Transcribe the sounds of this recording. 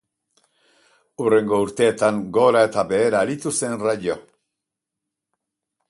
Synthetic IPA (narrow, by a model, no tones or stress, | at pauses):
ure̞ŋɡo̞uɾt̪e̞ːt̪aŋɡo̞ɾae̞t̪aβe̞ːɾaːɾit̪use̞nrajo